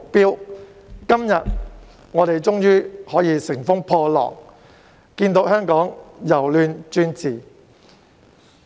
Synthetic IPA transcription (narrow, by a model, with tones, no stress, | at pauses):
k̚piː˥w | kɐ˥mjɐ˨t̚ | ŋɔː˨˧t̪e˨jt͡ʃʊ˥ŋjyː˥hɔː˨˥jiː˨˧sɪ˨˩ŋfʊ˥ŋpʰɔː˧lɔ̰ː˨˩k̚ | kiː˧nt̪o˨˥whœː˥ŋkɔː˨˥ŋjɐ˨˩wlyː˧nt͡ʃyː˥nt͡siː˨